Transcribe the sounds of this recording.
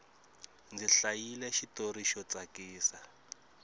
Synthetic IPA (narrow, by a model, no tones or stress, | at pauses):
nd͡ziɬajilɛʃitoɾiʃɔt͡sakiːsa